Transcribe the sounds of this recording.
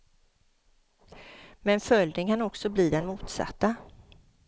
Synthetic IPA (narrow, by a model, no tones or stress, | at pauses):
mɛnfœld̪ɪŋkʰanɔksɔbliːd̪ɛnmuːt̪sa̰t̪ːa